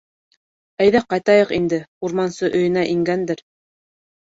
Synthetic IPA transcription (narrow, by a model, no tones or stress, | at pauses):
æjðæqɑjt̪ɑjɤqind̪ɘuɾmɑnsɤʔɵ̆jɘ̆næʔiŋɡænd̪ɘɾ